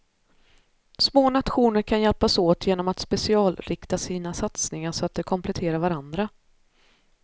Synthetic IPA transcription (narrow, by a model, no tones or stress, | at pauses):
smoːnat̪ɧuːnəɾkʰanjɛlpasoːt̪ʰjeːnɔmat̪spɛsɪɑːlɾɪkt̪asiːnasat̪snɪŋaʂɔat̪̚d̪ɛkʰɔmpʰlɛt̪ʰeːɾaɾvaɾand̪ɾa